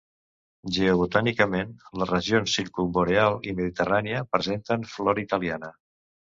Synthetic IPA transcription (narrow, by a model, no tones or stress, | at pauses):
ʒeoβut̪anikəmenlərəʒionsːiɾkumboɾealˠiməðit̪əraniəpɾəzent̪ənflɔɾit̪əlianə